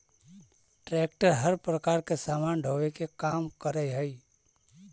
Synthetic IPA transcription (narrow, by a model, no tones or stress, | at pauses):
ʈɾɛːk̚ʈəɾɦəɾpɾəkaːɾkesaːmaːnɖʱoːʋekekaːmkəɾəjɦɛi